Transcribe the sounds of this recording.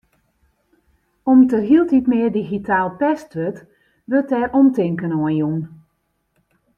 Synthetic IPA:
ɔmtəɦilˠtitmɪərdiɣitʰaːlˠpɛstʋøt | ʋøtɛrʔɔmtɪŋkənɔənjun

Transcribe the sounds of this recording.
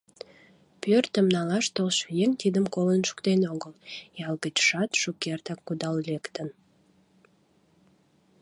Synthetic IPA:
pørt̪əmnɑlɑʃt̪olʃjeŋt̪id̪əmkolənʃu̥kt̪enoɣəljɑlɡət͡ɕʃɑt̪ʃukert̪ɑkːud̪ɑllekt̪ən

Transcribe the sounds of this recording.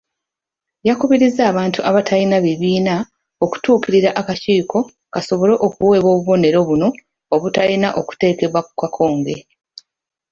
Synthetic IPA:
jakuβiɾizaːβaːntuʔaβatʰalinaβiβiːna | o̞ku̥tuːkiɾiɾaʔakaciːkʰo̞ | kaso̞βo̞le̞ʔokuwe̞ːβo̞ːβuβo̞ne̞ɾo̞βuno̞ː | βutalinaʔo̞ku̥te̞ːke̞βwakukakʰo̞ːŋɡe̞

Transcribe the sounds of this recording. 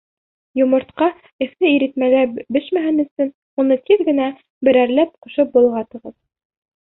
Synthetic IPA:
jŏmɤ̆ɾt̪qɑ | ɘ̆θnɘiɾɘ̆t̪mælæbɘʃmæɦɘnɵ̆sɵn | unɤt̪iðɡɘ̆næ | bɘ̆ɾæɾlæp̚qŏʃɤp̚bŭlˠʁɑt̪ɤ̆ʁɤð

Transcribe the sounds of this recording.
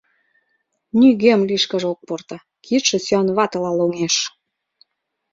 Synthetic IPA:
nʲyɣemliʃkə̆ʒok̚port̪ɑ | kʰit̪ʃĕsyɑnβɑt̪əlɑloŋeʃ

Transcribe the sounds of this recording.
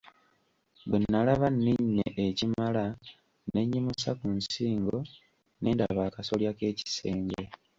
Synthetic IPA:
bwenːalaβanːiɲːḛʔecimala | neɲːimusakunsiːŋɡo̞ | ne̞ːndaβaːkaso̞ljake̞ːci̥se̞ːɲɡe̞

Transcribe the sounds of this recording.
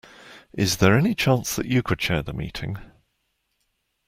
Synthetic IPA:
ʔɪzðəɹɛnɪt͡ʃʰɑ̃ˑnsðə̰t͡ʃəkʰəd̚t͡ʃʰɛːðəmḭˑtʰɪ̰̃ŋ

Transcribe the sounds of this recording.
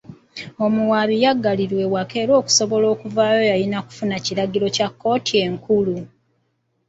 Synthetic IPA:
o̞muwaːβijaɡːaliɾwe̞wake̞ːɾo̞ːku̥so̞βo̞lo̞ːkuvaːjo̞jajinaku̥funaciɾaɡilo̞cakːo̞ːtie̞ŋkulu

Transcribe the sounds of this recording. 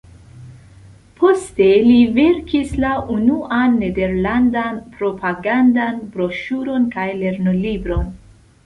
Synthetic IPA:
pʰo̞ste̞live̞ɾkislaʔunuʔanːe̞de̞ɾlandanpɾo̞paɡandanbɾo̞ʃuɾo̞nkajle̞ɾnolibɾo̞n

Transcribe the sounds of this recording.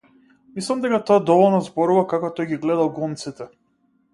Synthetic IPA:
mislˠamd̪ɛkat̪ɔad̪ɔvɔlˠnɔzbɔɾuvakakɔt̪ɔjɡiɡlɛd̪alˠɡɔnt̪sit̪ɛ

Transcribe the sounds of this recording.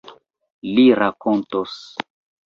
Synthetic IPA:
liɾakontos

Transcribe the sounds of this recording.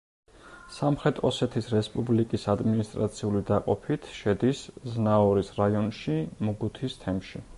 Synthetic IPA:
samχɾɛt̪ʼɔsɛt̪ʰisɾɛspʼublikʼisad̪minist̪ʼɾat̪sʰiulid̪aqʼɔpʰit̪ʰʃɛd̪isznaɔɾisɾaiɔnʃimuɡut̪ʰist̪ʰɛmʃi

